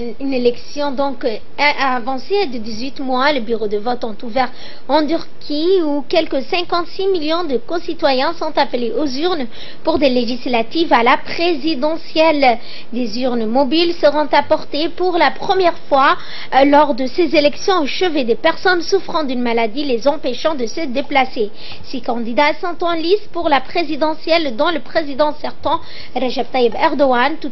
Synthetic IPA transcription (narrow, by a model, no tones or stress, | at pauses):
ynelɛksjɔ̃d̪ɔ̃k | avɑ̃sed̪əd̪izɥit̪mwaləbyʁod̪əvɔt̪ɔ̃t̪uvɛʁ | ɑ̃d̪yʁkʰʲiukʲɛlkəsɛ̃kɑ̃t̪similjɔ̃d̪əkɔ̃sit̪wajɛ̃sɔ̃t̪apleʔozyʁn | puʁd̪eleʒislat̪ivalapχezid̪ɑ̃sjɛl | d̪ezyʁnmɔbilsəʁɔ̃t̪apɔʁt̪epuʁlapχəmjɛʁfwa | lɔʁd̪əsezelɛksjɔ̃oʃəved̪epɛʁsɔnsufχɑ̃d̪ynmalad̪ilezɑ̃peʃɑ̃d̪əsəd̪eplase | sikɑ̃d̪id̪asɑ̃t̪ɑ̃lispuʁlapχezid̪ɑ̃sjɛld̪ɔ̃ləpχezid̪ɑ̃sɛʁt̪ɑ̃ | ʁeʒɛb̚t̪aibɛʁd̪ɔant̪u